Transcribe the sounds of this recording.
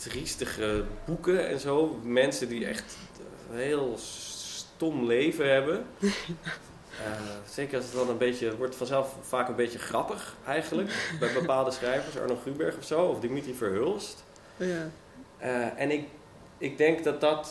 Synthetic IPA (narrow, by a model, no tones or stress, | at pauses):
tristəχəbukəɛ̰nzoːmɛnsədiɛ̰χt | ɦeːlˠ | tɔmlejvəɦɛbə | əsejkəɹɑlˠsətɑnənbejcəʋɔɹtəfɑnzɛlˠfːaːkənbejcəχrɑpəχɛjχənləkbɛjbəpaːlˠdəsχrɛjvəɹsɔ̰ɹnoχrybɛɹχɔfsowɔfdimitrifəɹɦølˠst | ʔəɛnɪk | ɪɡ̚dɛŋkdɑt̚dɑt